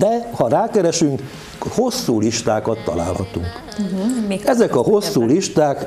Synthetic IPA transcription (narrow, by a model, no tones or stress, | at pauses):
d̪ɛhɒɾaːkɛɾɛʃyŋk | ho̞sːuːliʃt̪aːkɒt̪ːɒ̰la̰ːlhɒt̪uŋk | ɛzɛkɒho̞sːuːliʃt̪aːk